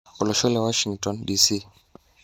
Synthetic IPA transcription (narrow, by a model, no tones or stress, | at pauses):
ɔlɔʃɔlɛwaʃiŋɡtɔndisi